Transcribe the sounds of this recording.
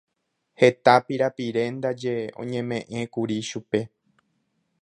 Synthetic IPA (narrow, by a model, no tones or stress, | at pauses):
he̞t̪apiɾapiɾe̞nd̪ad͡ʒe̞õ̰ɲẽ̞mẽ̞ʔẽ̞kuɾiʃupe̞